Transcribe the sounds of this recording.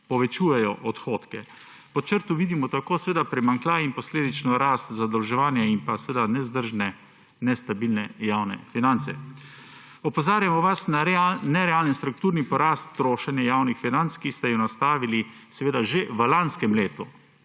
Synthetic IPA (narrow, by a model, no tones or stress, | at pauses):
pɔʋɛt͡ʃuːjɛjɔʔɔt̪xoːt̪kɛ | pɔt͡ʃəɾt̪uʋiːd̪imɔt̪akoːsɛʋeːd̪apɾɛmaŋklaːimpɔsleːd̪it͡ʃnɔɾaːst̪zad̪ɐwʒɛʋaːnjaimpasɛʋeːd̪anɛzd̪əɾʒnɛ | nɛst̪abilnɛjaːwnɛ̰finant̪sɛ̰ | ɔpɔzaːɾjamɔʋasnanɛɾɛaːlnɛnst̪ɾuk̚t̪uːɾnipɔɾaːst̪ːɾoːʃɛnjɛjaːwnixfinantskist̪ɛjunast̪aːʋili | sɛʋeːd̪aʒeʋəlanskɛmleːt̪u